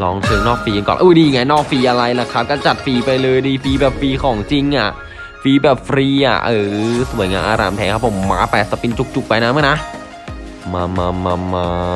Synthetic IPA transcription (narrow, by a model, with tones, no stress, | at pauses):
lɔː˧ŋt̪ʰɤː˧ŋnɔː˥˩k̚fiː˧kkɔ̰˨ʔuː˧˩diː˧˨ŋa˦˧˥jnɔː˥˩k̚fiː˧ʔa˧ɾa˧jla˧˩kʰa˦˥p̚kɔː˥˩t͡ɕa˨˩t̪̚fiː˧pa˧jlɤː˧jdiː˧fiː˧bɛː˨˩p̚fiː˧kʰɔː˩˦ŋt͡ɕi˧ŋʔa˨˩ | fiː˧bɛː˨˩p̚fɾiː˧ʔa̰˨˩ʔɤː˨˩su˨˩˦jŋaː˧nʔaː˧ɾaː˧mt̪ʰɛː˩˦ŋkʰa˦˥pʰːo˩˦mːaː˧˥pɛː˨˩t̪sa˧pi˧nt͡ɕu˨˧˩k̚t͡ɕu˨˩k̚pa˧jna˦˥maː˦˥˩jna˦˥ʔ | ma˧maː˧ma˧maː˧